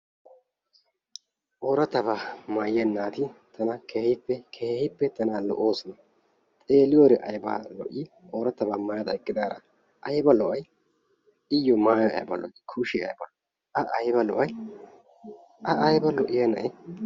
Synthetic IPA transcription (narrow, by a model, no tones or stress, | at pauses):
ʔoːɾɐt̪ːɐbamaːjɛnːaːt̪ɪt̪ʰɐnɐkʰeːhɪpːɛkʰeːhɪpːɛt̪ɐnaːlɔ̰ʔoːsɐnɐ | t̪ʼeːlɪjɔɾɛʔɐjba̰ːlɔ̰ʔɪ | ʔoːɾɐt̪ːɐbaːmɐjɐd̪ɐɪkːɪd̪aːɾɐ̰ | ʔɐjbɐlɔʔɐj | ɪjːɔmaːjɔɐ̰jbɐ̰lɔ̰ʔɪkʰʊʃɪɐ̰jbɐ̰lɔ | ɐʔɐjbɐlɔ̰ʔɐj | ʔɐʔɐjbɐlɔʔɪjɐnɐ̰ʔɛ